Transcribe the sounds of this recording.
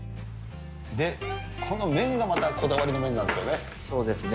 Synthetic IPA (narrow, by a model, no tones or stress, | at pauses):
d̪e̞kʰo̞no̞mẽ̞ŋɡamat̪akʰo̞d̪aβaɾino̞mẽ̞nːãnd̪esɨjo̞ne̞ | so̞ːd̪e̞sɨne